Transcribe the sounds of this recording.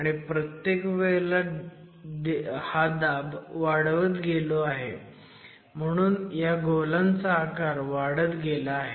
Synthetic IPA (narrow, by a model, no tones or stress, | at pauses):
aɽ̃ipɾət̪jekʋeɭla | d̪had̪abʋaɽʋət̪ɡeloaɦḛ | m̤əɽ̃uːnjaɡʱolãnt͡saːkaɾʋaɽət̪ɡelaːɦe